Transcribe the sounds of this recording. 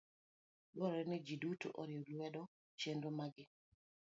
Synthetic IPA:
bɔɾɛnid͡ʒiduto̰ʔɔɾjɔlwɛdɔ | t͡ʃendomaɡɪ

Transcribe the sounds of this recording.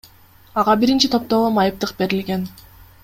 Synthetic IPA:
ɑʁɑbiɾint͡ʃit̪ʰo̞p̚t̪o̞lˠomɑjɯp̚t̪ɯqbe̞ɾilɡe̞n

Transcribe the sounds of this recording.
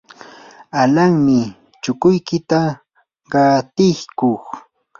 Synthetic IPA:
alaŋmɪ | t͡ʃʊkʊjkɪt̪a | ɢɑt̪ɪhkoχ

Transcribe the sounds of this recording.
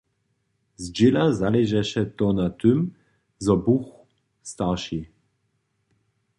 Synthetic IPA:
zd͡ʑelazalɛʒɛʃɛt̪ɔnat̪øm | zɔbux | st̪aʁʃi

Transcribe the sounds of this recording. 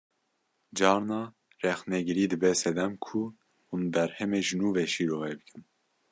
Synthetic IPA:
d͡ʒɑːɾnɑː | rɛxnɛɡɨɾiːd̪ɨbɛsɛd̪ɛmkʰu | unbɛɾhɛmeːʒɨnuːveːʃiːɾoːɣeːbɨkʰɨn

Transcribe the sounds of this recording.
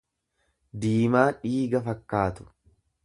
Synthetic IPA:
d̪iːmaːᶑiːɡɐfɐkːaːt̪ʊ̥

